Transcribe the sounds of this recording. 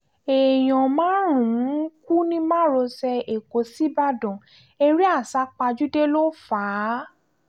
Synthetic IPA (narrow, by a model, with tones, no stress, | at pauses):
e˨j̃ɔ̃˨mãː˦ɾ̃ũ˨˦ku˦nĩ˧˦mã˦ɾo˧sɛ˧e˨ko˨˦si˦ba˦˨dɔ̃˨ | e˧ɾi˦a˦˨sa˨˦k͡pa˧d͡ʒu˦de˦lo˦faː˨˦